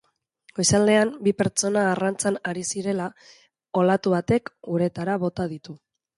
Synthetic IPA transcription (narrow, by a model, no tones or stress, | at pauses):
ɡ̥o̞jsald̪e̞ambipe̞ɾt͡ʃo̞naːrant͡sanaɾisiɾe̞la | o̞lat̪uβat̪e̞kɡuɾe̞t̪aɾaβ̞o̞t̪aðit̪u